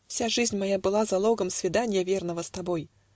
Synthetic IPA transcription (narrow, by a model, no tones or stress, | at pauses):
fsʲaʐɨzʲnʲmɐjabɨlˠazɐlˠoɡəmsvʲɪd̪anʲɪjəvʲe̞rnəvəst̪ɐboj